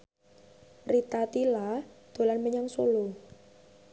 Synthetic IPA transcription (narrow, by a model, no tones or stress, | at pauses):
rit̪at̪ilad̪̥o̤lanməɲaŋsulu